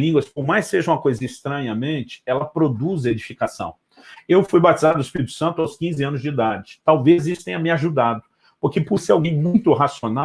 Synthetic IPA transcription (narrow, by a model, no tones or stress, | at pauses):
lĩɡwɐskõmajsseʒɐũmɐkojzɐist̪ɾɐ̃ɲɐmẽnt͡ʃɪ̥ɛlɐpɾod̪uzed͡ʒifikasɐ̰̃w̃ | ewfujbat͡ʃizaɾd̪ʊispiɾit̪ʊ̥sɐ̃nt̪ʊawskĩzɪɐ̃nʊzd͡ʒɪid̪ad͡ʒɪt̪awvezisʊt̪ẽɲ̃ɐmɪaʒud̪ad̪ʊ | poɾkepʊɾseawɡẽj̃mũj̃t̪ʊɦasjona